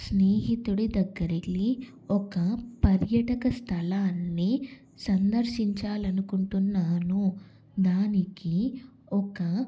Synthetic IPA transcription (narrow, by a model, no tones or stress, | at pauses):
sneːɦit̪uɽid̪ɐɡːɐɾili | ɔkɐpɐɾjɐʈɐkɐst̪ʰɐlaːnːi | sɐnd̪ɐɾʃiɲt͡ʃaːlɐnukuɳʈunːaːnu | d̪aːniki | ɔkɐ